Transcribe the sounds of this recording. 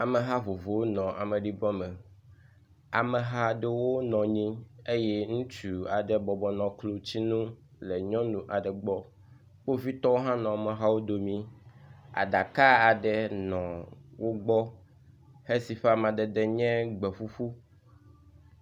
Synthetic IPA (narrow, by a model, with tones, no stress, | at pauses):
a˨mɛ˨ɦa˦vo˨vo˨wo˦nɔ̃˨ʔa̰˨mɛ̃˨ɖi˦bɔ̃˦mɛ˨ | a˨mɛ˨ɦa˦ɖe˦wo˦nɔ̃˨ɲĩ˦e˦jɛ˦ŋũ˦t͡ɕu˨a˨ɖɛ˦bɔ˨bɔ˨nɔ̃˨klo˦t͡ɕi˦nũ˦ | le˨ɲɔ̃˦nũ˨ʔa˨ɖɛ˨ɡ͡bɔ˦ | k͡po˦vi˦t̪ɔ˦wo˦ɦã˦nɔ̃˨a˨mɛ̃˨ɦa˦wo˦d̪o˨mĩ˦ | a̰˨da˨ka˦a˨ɖɛ˦nɔ̃˨wo˦ɡ͡bɔ˦ | he˦si˨ɸe˦a˦mã˨d̪ɛ˨d̪ɛ˦ɲɛ̃˦ɡ͡bɛ˨fu˦fu˦